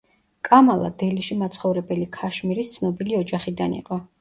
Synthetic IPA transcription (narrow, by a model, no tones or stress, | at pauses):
kʼamalˠa̰d̪ɛliʃimat̪sʰχɔvɾɛbɛlikʰaʃmiɾist̪sʰnɔbiliɔd͡ʒaχid̪anḭqʼɔ